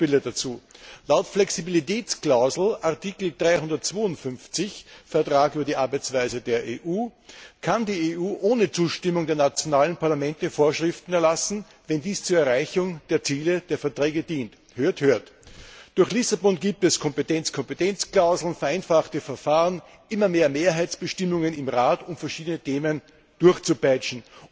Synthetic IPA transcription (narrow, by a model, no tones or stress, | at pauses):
b̥ɪlədat͡suːlaʊtflɛksibilitɛːt͡sklaʊzl̩ʔaɐtiːkl̩dʁaɪhʊndɐtt͡sv̥oːʊntfʏnft͡sɪçfɛɐtʁ̥aːkʔyːbɐdiːʔaɐbæɪt͡sv̥aɪzədeːɐʔeːʔuːkʰandiːeuːʔoːnət͡suːʃtɪmʊŋdeːɐnat͡sjonaːlənpʰaɐlamɛntəfoːɐʃʁɪftn̩ɛɐlasn̩ | vɛndiːst͡suɐɛɐʁaɪçʊŋd̥eːɐt͡siːləd̥eːɐfɛɐtʁeːɡəd̥iːnt | høːɐthøːɐtd̥ʊɐçxlɪsabɔnɡiːp̚tɛskʰɔmpətɛnt͡skʰɔmpətɛnt͡sklaʊzl̩nfɛɐʔæɪnfaχtəfɛɐfaːʁən | ʔɪmɐmeːɐmeːɐɦaɪt͡sb̥əʃtɪmʊŋənɪmʁaːtʊmfɛɐʃiːdənətʰeːmən | d̥ʊɐçt͡supaɪt͡ʃn̩